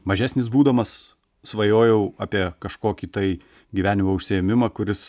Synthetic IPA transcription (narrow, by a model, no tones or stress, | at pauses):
mɐʒʲæːsʲnʲɪsbuːd̪ɐmɐs | sʋɐjoːjɛʊɑːpʲiɛkɐʃkoːkʲit̪ɐɪ | ɡʲiʋʲæːnʲɪmoʊʃʲsʲɪɛmʲɪmɐkʊɾʲɪs